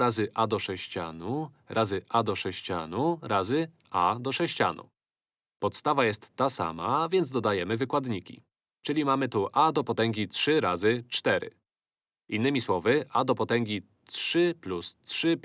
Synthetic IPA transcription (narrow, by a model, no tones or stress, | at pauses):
ɾazɘʔad̪ɔʂɛɕt͡ɕa̰nu | ɾʔazɘʔad̪ɔʂɛɕt͡ɕa̰nuɾazɘ | ad̪ɔʂɛɕt͡ɕa̰nṵ | pɔt̪st̪avajɛst̪ːasa̰mavʲjɛnd̪zd̪ɔd̪ajɛmɘvɘkwad̪ɲikʲḭ | t͡ʂɘlʲimamɘt̪uʔad̪ɔpɔt̪ɛŋɡʲitʂɘɾazɘt͡ʂt̪ɛɾɘ̰ | inːɘmʲiswɔvɘʔad̪ɔpɔt̪ɛŋɡʲi | tʂɘplustʂɘ